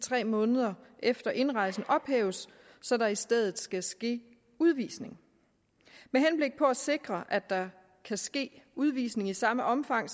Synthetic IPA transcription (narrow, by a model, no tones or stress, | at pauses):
t͡sʰʁɛ̰ːmɔ̽ːnəð̞̩ˠɐʔefd̥ɐʔe̝nʁɑ̈ɪ̰sn̩ɒ̽b̥hḛːʊsː | ɒ̽ɾ̥ɑ̈isd̥eð̞ˠð̩ˠsɡ̥æsɡ̥e̝̰ː | uð̞ˠʋḭːsne̝ŋ | meɦenb̥le̝ɡ̥̚pʰɒ̽æse̝ɡ̥ʁɐʔæd̥ɑ̈ | kʰæsɡ̥e̝̰ːuð̞ˠʋḭːsne̝ŋisɑ̈məʔɒ̽mfɑ̈ŋ̰